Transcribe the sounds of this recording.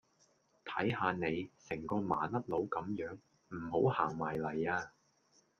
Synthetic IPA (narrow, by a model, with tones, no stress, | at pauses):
t̪ʰɐ˨˥jhaː˧ne˨˧jsɪ˨˩ŋkɔː˧ma̰ː˨nɐ˥t̚lo˨˥wkɐ˨˥mjœː˨˥ŋ | m̩˨˩ho˨˥whaː˨˩ŋmaː˨˩jlɐ˨˩jaː˧